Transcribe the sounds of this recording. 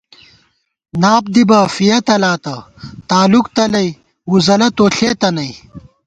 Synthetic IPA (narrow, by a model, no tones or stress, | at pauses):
naːp̚d̪ibɐfijɐt̪ɐlaːt̪ɐ | t̪aːlukt̪ɐlɐj | wuzɐlɐt̪oːɬeːt̪ɐnɐi